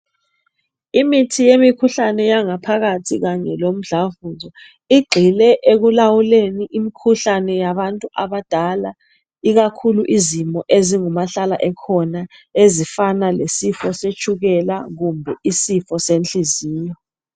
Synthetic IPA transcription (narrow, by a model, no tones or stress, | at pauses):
imitʰijemikʰuɬanɛjaŋapʰak̬atʰik̬aɲɛlom̩ɮavuzɔ | iɡ͡ǃʱilɛʔek̬ulawuleniʔimikʰuɬanɛjaɓantʼuʔaɓad̥ʱala | ik̬akʰuluʔizimɔʔeziŋumaɬalaʔɛkʰɔnaezifanalesifɔset͡ʃʰuk̬ɛlaɣumbʱɛisifɔsent͡ɬiziːjɔ